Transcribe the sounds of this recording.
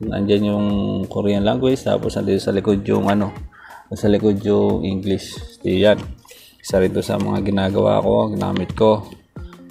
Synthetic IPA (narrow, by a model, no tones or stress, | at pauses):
nɐʔɐ̰nd͡ʒanjʊŋkʊɾianlaŋɡwɪt͡ʃt̪a̰ːposɐnd̪id̪osɐlɪkodjʊŋɐno̞jʊŋsɐlɪkodjoʔɪŋɡlɪst̪ijan | sɐɾɪt̪osɐ̰mɐŋa̰ɡɪnaːɡɐwa̰ːko̞ɡɪna̰ːmɪt̪̚ko̞